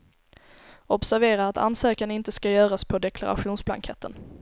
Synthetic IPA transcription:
ɔbsæɾveːɾaɾat̪ʰa̰nsøːkanɪnt̪əskajœːɾaspʰɔd̪ɛkʰlaɾa̰ɧuːnsbla̰ŋkʰɛt̪ːən

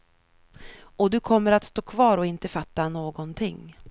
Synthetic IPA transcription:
ɔd̪ɵkʰɔmːəɾat̪st̪oːkʰvɑːɾɔɪnt̪əfat̪ːanoːɡɔnt̪ʰɪŋː

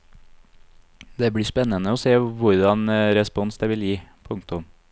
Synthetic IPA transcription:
d̪ɛbɽiːspɛnːənəoːseːʋʊɾd̪ɑnɾɛspɔnsd̪ɛʋɪljiːpʰʊŋkt̪ʊm

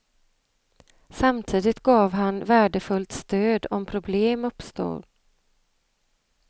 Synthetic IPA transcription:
samt̪ʰiːd̪ɪt̪ɡɑːvɦanvæːɖəfɵlt̪st̪øːd̪ɔmpʰɾʊbleːmɵpst̪o̰ːɾ

